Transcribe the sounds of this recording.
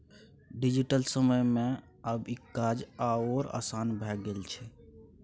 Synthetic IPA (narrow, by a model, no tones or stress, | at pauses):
ɖid͡ʒiʈəlsəməjmẽ | əbikad͡ʒaoɾa̰sanbʱɛɡelt͡ʃʰɛ